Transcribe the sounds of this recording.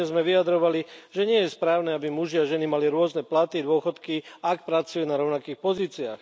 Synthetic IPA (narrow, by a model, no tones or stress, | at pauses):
ɛzmɛʋijad̪ɾɔʋaliʒɛɲɪɛjɛspɾaːʊnɛːabimuʒiaʒɛnimaliɾʊɔznɛplat̪id̪ʊɔxɔt̪kiak̚pɾat͡sujuːnaɾɔʊnakiːxpɔziːt͡sia̰ːx